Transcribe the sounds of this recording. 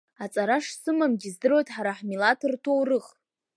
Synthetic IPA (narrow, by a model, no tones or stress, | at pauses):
at͡sʼaɾaʂsɨmamɡʲizdɨrojtʼħaɾaħmilatʰɨrtʰowrɨχ